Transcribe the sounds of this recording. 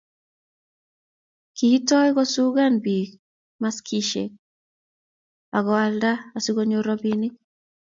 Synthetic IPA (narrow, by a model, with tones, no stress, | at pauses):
kii˦tɔ˦ɡɔ˦su˦ɡa˦nbi˨k | ma˦skʰiʃḛ˨k̚ | a˨ɡɔ˨a˦lda˦asi˦ɡo˦ɲo˦ɾɔ˦bini˦